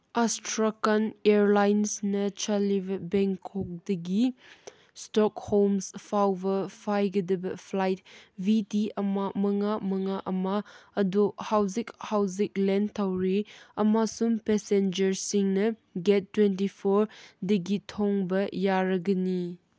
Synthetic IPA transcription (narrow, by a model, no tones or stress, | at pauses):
astɾakaneɾlajnsnɐt͡ʃʰalibɐbeŋkʰɔk̚dɐɡi | stɔkhomspʰawbɐpʰajɡɐdɐbɐpʰlajt̚bitiɐmamɐŋamɐŋaʔɐmaːduhawzikhawzik̚lentʰawɾiɐmasumpesend͡ʒɐɾsiŋnɐɡetːwentipʰoɾdɐɡitʰɔŋbɐjaɾɐɡɐni